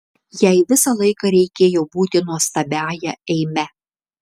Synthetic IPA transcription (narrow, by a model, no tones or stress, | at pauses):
jɛɪʋʲɪsɐlˠɐɪkɐɾʲɛɪkʲeːjoːbuːt̪ʲɪnuɔst̪ɐbʲæːjɛɛɪmʲɛ